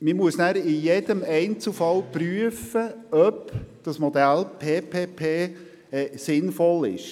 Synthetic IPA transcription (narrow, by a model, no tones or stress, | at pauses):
mimuəsnæːɾɪjɛd̥əmɛɪnt͡sl̩ˠfɑlpɾyəfəœpd̪̥ɑsmɔd̪ælpʰeːpʰeːpʰeː | ɛsɪnfɔlɪ̰ʃ